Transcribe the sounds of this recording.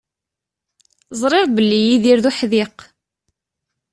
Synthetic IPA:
zˤɾˤeʁbəlːijiðiɾðuħðiq

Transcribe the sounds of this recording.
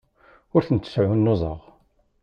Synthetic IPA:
ʊɾθənt̪ːə̥sʕunːozˤə̰ʁ

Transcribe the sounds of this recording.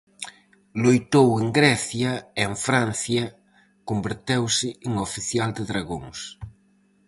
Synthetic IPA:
lojt̪oweŋɡɾɛθjɐeeɱfɾan̟θjɐ | kombeɾt̪ewsɪeŋofiθjald̪ɪðɾaɣoŋs

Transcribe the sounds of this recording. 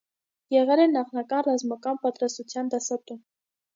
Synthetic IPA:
jɛʁɛlɛnɑχnɑkɑnrɑzmɑkɑnpɑt̪ɾɑst̪ut͡sʰjɑnd̪ɑsɑt̪um

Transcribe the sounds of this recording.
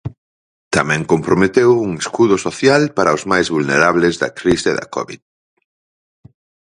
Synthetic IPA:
t̪amɛ̃ŋkompɾomet̪ewuŋeskuðʊsoθjalpaɾaozmajzβulneɾaβlezðɐ̰kɾiseðɐ̰kɔ̰βḭð

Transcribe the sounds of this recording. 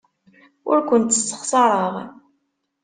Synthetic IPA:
ʊ̰ɾkʷʊnt̪ːəsːə̥χsˤɑɾˤəʁ

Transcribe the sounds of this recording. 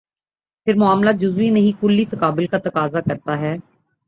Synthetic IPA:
pʰɪɾmʊaːmlad͡ʒʊzʋinɐɦĩkʊlːit̪ɐkaːbɪlkat̪ɐkaːzakɐɾt̪aɦɛː

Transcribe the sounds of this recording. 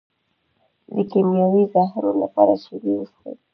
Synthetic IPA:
d̪əkemjɑwizɑɦɪɾola̰pɑ̰ɾaʃiɾiwust̪ḛ

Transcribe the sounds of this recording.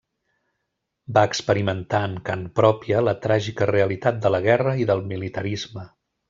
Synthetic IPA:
baəkspəɾimənt̪aəŋkanpɾɔpiələt̪ɾaʒikəreəlit̪at̪̚d̪ələɣɛrəiðəlˠmilit̪əɾizmə

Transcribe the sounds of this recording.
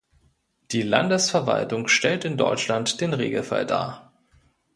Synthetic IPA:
d̥iːla̰ndəsfɛɐva̰ltʊŋʃtɛltɪndɔ̰ʏt͡ʃlantd̥eːnʁḛːɡl̩fa̰lda̰ːɐ

